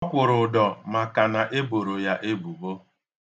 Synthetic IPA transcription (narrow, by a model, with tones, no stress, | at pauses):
ɔ˦kʷʊ˨ɾʊ˨dɔ˨ma˨ka˨na˨ʔe˦bo˨ɾo˨ja˦ʔe˦bu˨bo˦